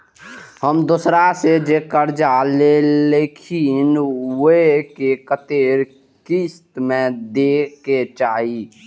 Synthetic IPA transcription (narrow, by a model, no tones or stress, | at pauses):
həmd̪osɾased͡ʒekəɾd͡ʒaleleːkʰɪnwkekət̪eːɾ | kist̪mẽd̪eːket͡ʃaːɦi